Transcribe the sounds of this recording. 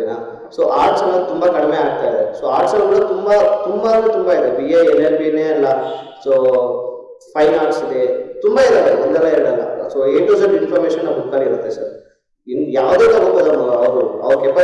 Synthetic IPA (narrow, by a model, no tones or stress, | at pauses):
naː | soːʔaːɾʈsɐnɐt̪umbɐkɐɽmeaːɡ̚t̪aːjd̪esoːaːɾʈsɐlɐɡuɽɐt̪umbɐt̪umbanet̪umbaid̪ebieelelpineːɐlːɐ | soː | pʰɐjnaːɽsid̪et̪umbaid̪eɐɾumond̪ɛlːɐiɾɐɽɐlːɐ̰soeːʈuzɐɳɖinpʰaːɾmeːʃɐnːɐbukːaːliiɾut̪ːesɐ̰ɾ | injaːʋd̪eːt̪ɐɡut̪ːɐd̪ɐnɐɐʋɾuɐ̰ʋɐɾkepːɐ